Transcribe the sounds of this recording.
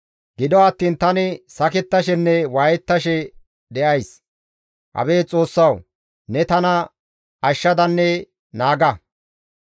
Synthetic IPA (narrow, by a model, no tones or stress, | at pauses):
ɡ̥ɪd̪ɔɐt̪ːiːnt̪ɐnɪsɐkɛt̪ːɐʃɛnːɛwaːjɛt̪ːɐʃɛ | d̪ɛʔɐjs | ʔɐ̰be̞ːt͡sʼo̞ːsːɐw | nɛt̪ɐnɐ | ʔɐʃːɐd̪ɐnːɛ | naːɡɐ